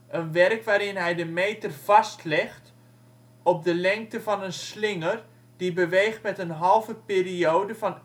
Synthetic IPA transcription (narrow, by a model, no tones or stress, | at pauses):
ʔənʋɛrkʋaːɾɪnɦɛjdəmeːtərv̥ɑstlɪxt | ɔp̚dəlɛŋk̚təfɑnənslɪŋər | d̥ibəʋeːxtmɛtənɦɑlˠvəpeːrioːdəfɑn